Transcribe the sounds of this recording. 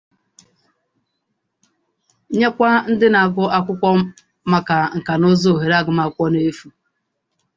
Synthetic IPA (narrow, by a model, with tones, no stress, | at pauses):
ɲe˦kʷa˦n̩˦dɪ˦na˨ɡʊ˦ʔa˦kʷʊ˦kʷɔ˦ | ma˦ka˨ŋ̩˨ka˨nʊ˦zo˦˨ɦe˨ɾa˦˨ɡʊ˨ma˨kʷɔ˦ne˦fu˨